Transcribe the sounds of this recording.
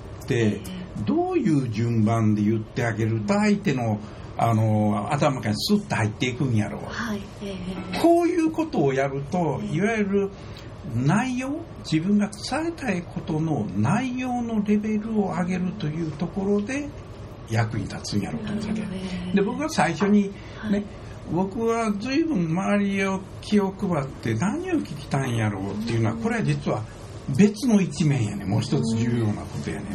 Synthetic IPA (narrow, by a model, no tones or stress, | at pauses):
t̪e̞d̪o̞ːjɯ̟ːʑɨ̃mbãnd̪e̞jɯ̟t̪ːe̞aɡe̞ɾɯ̟t̪oait̪e̞no̞ | ano̞a̰t̪amakaɲisɨt̪ːehait̪ːe̞ikɯ̟̃ɲja̰ɾo̞̰ːa | kʰo̞ːjɯ̟ːko̞t̪o̞ːjaɾɯ̟t̪o̞iβajɯɾɯ̟ | naijo̞ː | d͡ʑibɯ̟̃ŋɡat͡ssae̞t̪aikʰo̞t̪o̞no̞naijo̞ːno̞ɾe̞be̞ɾɯ̟o̞aɡe̞ɾɯ̟t̪o̞jɯ̟ːt̪o̞ko̞ɾo̞d̪e̞ | jakɯ̟ɲ̟it̪at͡sɨ̃ja̰ɾo̞̰ːt̪omaked̪e̞bo̞kɯβasaiɕo̞ɲ̟i | ne̞ | bo̞kɯ̟βazɨibɯ̟̃mmaaɾʲio | kʲʰio̞kɯ̟bat̪ːe̞naɲ̟io̞kʲikʲi̥t̪ãĩjaɾo̞̰ːt̪ːe̞ijɯ̟no̞ako̞ɾe̞βad͡ʑit͡sɨβa | be̞t͡sɨno̞it͡ɕimẽ̞ja̰ne̞̰mo̞ːçi̥t̪o̞t͡sɨʑɨːjo̞ːna̰ko̞t̪o̞̰ja̰ne